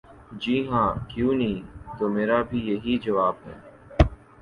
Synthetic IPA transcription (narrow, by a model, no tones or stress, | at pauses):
d͡ʒiːɦãːkjũːniːt̪oːmeːɾaːbʱijɐɦiːd͡ʒɐʋaːbɦɛ̰ː